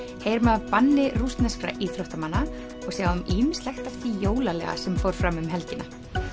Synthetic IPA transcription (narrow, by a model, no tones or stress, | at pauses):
hejɾmɛðavpanːɪrust̪nɛskɾa̰ʔiθɾoht̪amanːa | ɔɣsjawʏmiːmɪnslɛxt̪aft̪ijoːwlalɛɣa̰sɛmfowɾ̥fɾamʏmɦɛlcɪnʔa